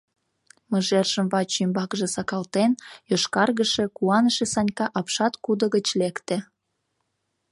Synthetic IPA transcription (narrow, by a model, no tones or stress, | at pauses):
mə̆ʒerʒəmvɑt͡ɕymbɑkʒĕsɑkɑlt̪enjoʃkɑrɣəʃe̽kuɑnəʃesɑnʲkɑʔɑpʃɑt̪kud̪ə̆ɣət͡ɕlekt̪ĕ